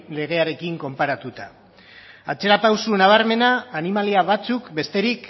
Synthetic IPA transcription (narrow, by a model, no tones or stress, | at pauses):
le̞ɣ̞e̞aɾe̞kiŋko̞mpaɾat̪ut̪a | at͡se̞ɾapawsunaβ̞aɾme̞naːnimaliaβat͡sukbe̞st̪e̞ɾik